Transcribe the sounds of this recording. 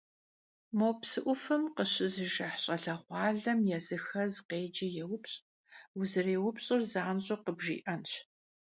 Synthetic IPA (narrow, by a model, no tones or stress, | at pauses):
moːpsɨʔʷʊfɨmqəɕɪzɨʒɐħɕʼɐɮɐχʷɑːɮɐmjɛzɨxɐzqeːd͡ʒɐjɛwʊpɕʼ | wʊzɨreːwʊpɕʼɪrzaːnɕʼoqəbʒḭːʔɐnɕ